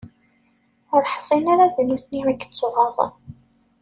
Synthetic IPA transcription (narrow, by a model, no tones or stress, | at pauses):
ʊɾħsˤinaɾaðænuθnimækːə̥t͡sːoʁɑð̰ˤ